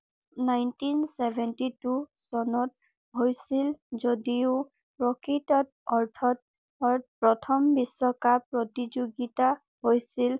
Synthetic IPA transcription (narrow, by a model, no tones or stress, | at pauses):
najntinsɛbʱɛntitusɔnɔt̚ | ɦojsilzodiʊ | pɹɔkitɔt̚ | ɔɹtʰɔt̚ | ɔɹpɹɔtʰɔmbisːɔkapɹɔtid͡ʒoɡita | hojsil